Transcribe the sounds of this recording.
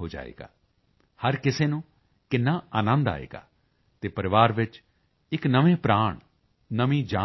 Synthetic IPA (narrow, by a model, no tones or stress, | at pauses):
oːd͡ʒa̰ːḛːɡa̰ː | həɾkɪseːnũː | kɪnːaːaːnə̃nd̪a̰ːḛːɡa̰ː | t̪eːpəɾɪʋaːɾʋɪt͡ʃ | ɪknəʋẽːpɾaːɳ | nəʋĩːd͡ʒaː